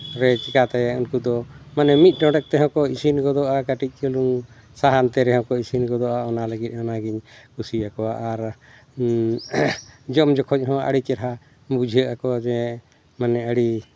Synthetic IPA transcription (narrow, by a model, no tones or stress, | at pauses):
ɾɛt͡ʃikat̪ɛjɛunkud̪ɔmanɛmit̪̚ˀɖɔɖɛk̚t̪ɛɦɔ̃kɔisinɡɔd̪ɔʔakaʈic̚ˀkəluŋ | saɦant̪ɛɾɛɦhɔ̃kɔisinɡɔd̪ɔʔaɔnaləɡit̪̚ˀhɔnaɡiɲkusiakɔwaʔaɾ | d͡ʒɔmd͡ʒɔkʰɔc̚ˀɦɔ̃ʔa̰ɽit͡ʃɛɾɦa | bud͡ʒʱəʔakɔwad͡ʒɛ | manɛəɽi